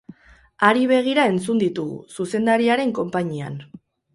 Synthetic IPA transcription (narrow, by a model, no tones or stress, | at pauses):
aɾiβ̞e̞ɣ̞iɾae̞nt͡sund̪it̪uɣṵsuse̞nd̪aɾiaɾe̞ŋko̞mpaɲia̰n